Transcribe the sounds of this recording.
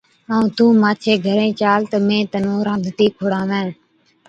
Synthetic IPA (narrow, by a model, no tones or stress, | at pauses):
əũːt̪ũːmaːt͡ʃʰeːɡʱəɾẽːt͡ʃaːlt̪əmẽːt̪ənõːɾãːnd̪ʱt̪iːkʰoːɽãːʋẽːn